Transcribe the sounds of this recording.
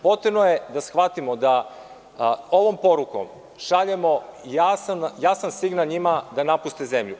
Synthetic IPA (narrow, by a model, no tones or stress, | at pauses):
po̞t̪ɾebnojed̪asxʋat̪imod̪a | o̞ʋo̞mpo̞ɾuko̞̰m | ʃaʎe̞mo̞jasanjasansiɡnalɲimad̪anapust̪eze̞mʎu